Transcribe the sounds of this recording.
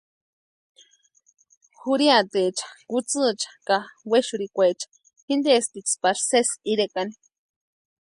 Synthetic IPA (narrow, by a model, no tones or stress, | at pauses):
xuɾiat̪et͡ʃḁkut͡sɨt͡ʃḁkaweʃuɾikʷet͡ʃḁ | xind̪est̪it͡spaɾsesiɾekani